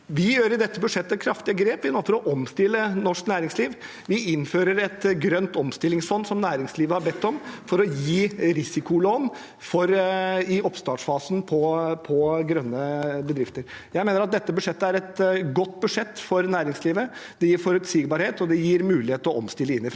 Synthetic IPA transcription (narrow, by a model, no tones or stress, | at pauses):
ʋɪjøːɾɪd̪ɛt̪ːəbʉd̪ʂɛt̪ːəkʰɾɑft̪ɪəɡɾeːpʋɪnoːfɔɾɔʔɔmst̪ɪlːənɔʂknæːɾɪŋsliːʋ | ʋɪɪnføːɾəɾɛt̪ɡɾœnt̪ɔmst̪ɪlːɪŋsfɔnsɔmnæːɾɪŋsliːʋəhɑɾbɛt̪ːɔmfɔɾɔjiːɾɪsɪkʊloːn | fɔɾɪʔɔpst̪ɑːʈʂfɑːsn̩pʰɔpʰɔɡɾœnːəbəd̪ɾɪft̪əɾ | jæɪmeːnəɾɑt̪̚d̪ɛt̪ːəbʉd̪ʂɛt̪ːəæɾɛt̪ɡɔt̪ːbʉʂɛt̪ːfɔɾnæːɾɪŋsliːʋəd̪̥ɛjiːɾfɔɾʉt̪sɪɡbɑɾheːt̪ɔd̪ɛjiːɾmʉːlɪheːt̪əɾɔɔmst̪ɪlːəɪnːɪfɾ